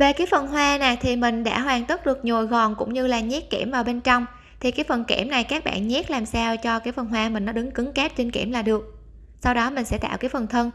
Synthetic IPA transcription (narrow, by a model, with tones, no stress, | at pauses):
ve˨˩ki˨˦jfə˨˩nɦwaː˧nɛː˨˩t̪ʰi˨˩mï˨˩ŋ̟ɗa̰ː˧˥ɦwaː˨˩ŋt̪ə˦˥t̚ɗɨ˨˩ək̚ɲo˨˩jɣɔ˨˩nkʊ̰˧˥ŋ͡mɲɨ˧laː˨˩ɲɛ˦˥t̚kḭ˧˩əmvaː˨˩wɓe˧nt͡ɕɔ˧wŋ͡m | t̪ʰi˨˩kaː˨˦jfə˨˩nkḛ˧˩mna˨˩jkaː˦˥k̚ɓa̰ː˧˨nɲɛ˦˥t̚laː˨˩msaː˧wt͡ɕɔ˧kaː˨˦jfə˨˩nɦwaː˧mï˨˩ŋ̟nɔ˨˦ɗɨ˨˦ŋkɨ˨˦ŋkɛ˦˥p̚t͡ɕi˧ŋkḭ˧˩əmlaː˨˩ɗɨ˨˩ək̚ | sa˧wɗɔ˨˦mï˨˩ŋ̟sɛ̰˧˥t̪a̰ː˧˨wkaː˨˦jfə˨˩nt̪ʰə˧n